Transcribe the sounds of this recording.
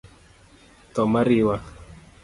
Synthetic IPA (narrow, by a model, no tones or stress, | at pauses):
t̪ɔmaɾiwa